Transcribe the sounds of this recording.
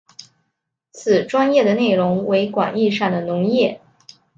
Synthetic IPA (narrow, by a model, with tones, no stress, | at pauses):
t͡sʰɹ̩˨˩ʈ͡ʂwa˥njɛ˥˩d̪ə˩ne˥˩ɪɻʊ˧˥ŋwe˧˥ɪkwa̰˨˩ni˥˧ʂɑ˥˩ŋd̪ə˩nʊ˧˥ŋjɛ˥˩